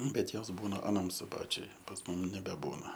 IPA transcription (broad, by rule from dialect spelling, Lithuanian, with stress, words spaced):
ˈbʲɛt ˈjoːs ˈbuːnɐ ɐˈnɐm sʊˈbɑːt͡ʃʲʊj pɐs ˈmʊm nʲɛbʲɛˈbuːnɐ